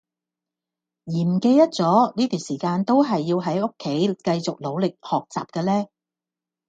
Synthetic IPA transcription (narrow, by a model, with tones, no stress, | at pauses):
jiː˨˩m̩˨˩ke˧jt̪ɐ˥t̚t͡sɔː˨˥niː˥t̪iː˨nsiː˨˩kaː˧nt̪o˥wɦɐ˨jːiː˧wɦɐ˨˥jʊ˥kʰːe˨˥jkɐ˧jt͡sʊ˨k̚lo˨˧wlɪ˨k̚hɔː˨˩k̚t͡sa̰ː˨p̚kɛː˧lɛː˥